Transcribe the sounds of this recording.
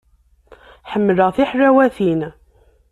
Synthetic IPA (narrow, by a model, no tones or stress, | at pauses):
ħəmːələʁθiħɾæwæθin